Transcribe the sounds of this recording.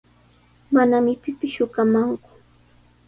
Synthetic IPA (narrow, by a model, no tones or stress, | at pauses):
manamɪpɪpɪsʃʊkamaŋkʊ̥